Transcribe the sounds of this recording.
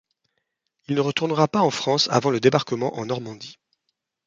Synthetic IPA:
ilnəʁət̪uʁnəʁapaɑ̃fχɑ̃sa̰vɑ̃ləd̪ebaʁkəmɑ̃ʔɑ̃nɔʁmɑ̃d̪i

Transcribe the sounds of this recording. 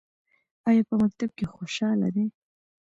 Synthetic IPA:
ɑjɑpəmak̚t̪ab̚kexoʃɑla̰d̪e

